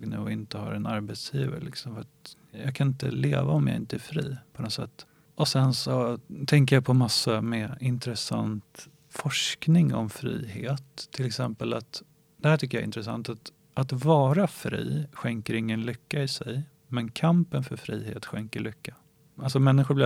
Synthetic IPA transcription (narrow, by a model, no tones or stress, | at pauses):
ɡnʉ̟ːɔɪnt̪əha̰ɾɛnaɾbet̪sjiːvə̰ɾlɪksɔmfœat̪ | jɑ̰kʰanɪnt̪ə̰leːvaɔmja̰ɪnt̪əæɾfɾḭːpʰɔnɔt̪sɛ̰t̪ː | ɔsɛnsɔt̪ʰɛŋk̬əjapʰɔmasːamɛɪnt̪ɾɛsa̰nt̪ | fɔʂknɪŋɔ̰mfɾḭːheːt̪ʰːɪlɛksɛmpəlat̪ | d̪̥ɛhæʈʰʏkːəja̰ɪ̰nt̪ɾəsa̰nt̪at̪ | ʔat̪vɑːɾafɾḭːɧɛŋkəɾɪŋːənlʏkːaɪsɛj | mɛnkʰampənfœɾfɾiːhḛːt̪ɧɛŋkəɭʏkːa | ʔals̬ɔmɛnːɪɧʊblɪ